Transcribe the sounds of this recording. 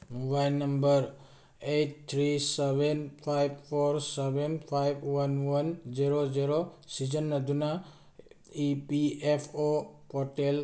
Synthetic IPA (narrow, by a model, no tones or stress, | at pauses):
mubajlnɐmbəɾ | et̚t̪ʰɾisebenpʰajb̚pʰoɾsebenpʰajbwɐnwɐnziɾoziɾosizənːɐd̪una | ipiepʰopɔʈel